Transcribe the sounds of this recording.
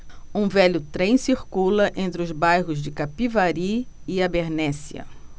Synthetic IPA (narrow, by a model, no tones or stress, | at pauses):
ũvɛʎʊt̪ɾẽj̃siɾkulɐʔẽnt̪ɾɪʊzbajɦʊzd͡ʒɪkapivaɾiɪabeɾnɛsiɐ̰